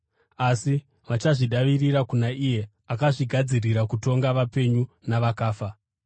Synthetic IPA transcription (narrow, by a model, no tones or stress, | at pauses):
asi | ʋat͡ʃaʐiɗaʋiriɾakunaije̞ | akaʐiɡʱad͡ziriɾakuto̞ŋɡaʋape̞ɲunaʋakaːfa